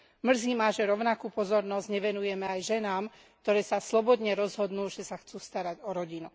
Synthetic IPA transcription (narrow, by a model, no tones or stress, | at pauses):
mr̩ziːmaːʒɛɾɔʊnakuːpɔzɔɾnɔzɟɲɛʋɛnujɛmɛajʒɛnaːm | k̚t̪ɔɾɛːsaslɔbɔd̪ɲɛɾɔzɦɔd̪nuːʒ̥ɛsaxt͡suːst̪aɾaɟɔɾɔɟinu